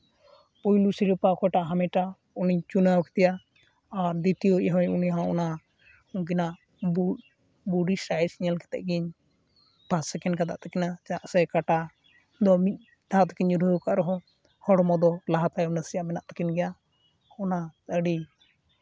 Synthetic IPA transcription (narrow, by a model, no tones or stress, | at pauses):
pɔjlusiɾipakɔjʈaʔɦamɛʈa | uniɲt͡ʃunawkɛ̥t̪ɛjaː | ɾd̪it̪ijɔɦɔɲuniɦãɔ̰na | uŋɡinaʔ | bu | buɖisaisiɲalkɛ̥t̪ɛ̰ʔɡiɲ | passɛkɛnkad̪aʔt̪ɛkinad͡ʒaʔsɛkaʈa | d̪ɔmit̪̚ˀ | d̪ʱat̪ḁkiɲd͡ʒuɾuɾukaʔɾɔɦɔ̃ | hɔɽɔmɔd̪ɔlaɦat̪ajɔnəsijamɛnaʔt̪akinɡɛja | ɔnat̪əɖi